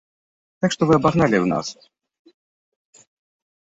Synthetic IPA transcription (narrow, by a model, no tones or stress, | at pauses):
t̪akʂt̪ɔvɨɐbaɣnalʲiwna̰s